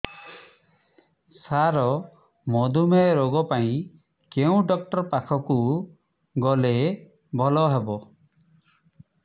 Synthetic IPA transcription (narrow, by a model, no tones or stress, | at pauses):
saɾɔ | mɔd̪ʱumeɾoɡɔpaĩ | keũɖɔk̚ʈɔɾpakʰɔku | ɡɔle | bʱɔlɔɦebɔ